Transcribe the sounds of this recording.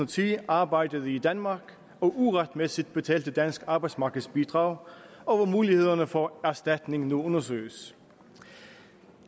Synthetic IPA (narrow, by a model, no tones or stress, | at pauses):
t͡sʰiɑ̈ːbɑ̈ɪd̥əð̩ˠəid̥ænmɑ̈ːɡ̥ | ɒ̽ʔuʁɑd̥mesid̥̚b̥e̝t͡sʰɛ̰ːld̥əd̥æn̰sɡ̥ɑ̈ːb̥ɑ̈ɪd̥smɑ̈ːɡ̥ð̩ˠsb̥id̥ʁɑ̈ːʊɒ̽ʋɑmuːlihe̝ð̞ˠɐnəfɒæɐsd̥æd̥ne̝ŋnuɔ̽nɐsø̰ːəs